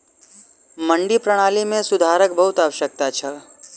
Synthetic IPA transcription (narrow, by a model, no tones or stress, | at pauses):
mə̃ɳɖipɾəɽ̃aːlimẽsʊd̪ʱaːɾək̚bəɦʊt̪aːʋəʃək̚t̪at͡ʃʰə